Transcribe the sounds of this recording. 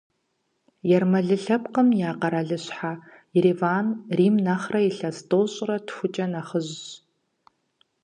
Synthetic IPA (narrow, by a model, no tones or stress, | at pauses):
jɛrmɐɮɨɬɐp̚qəmjaːqɐɾaɮɨɕħa | jɪɾivaːnriːmnaχrɐiɬɐstʼoːɕʼrɐtʰxʷʊt͡ʃʼɐnaχəʑ